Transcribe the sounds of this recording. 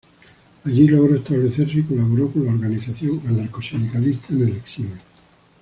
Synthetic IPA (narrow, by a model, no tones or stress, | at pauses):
aʎiloɣ̞ɾoest̪aβle̞θeɾsikolaβ̞oɾokonlaoɾɣaniθaθjo̞ŋanaɾkosind̪ikalist̪ʰaneleksime